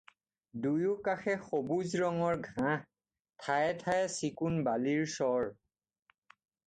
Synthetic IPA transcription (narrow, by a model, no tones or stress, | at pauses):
dujukaxɛxobuzɹɔŋɔɹɡʱã | tʰajɛtʰajɛsikunbaliɹsɔɹ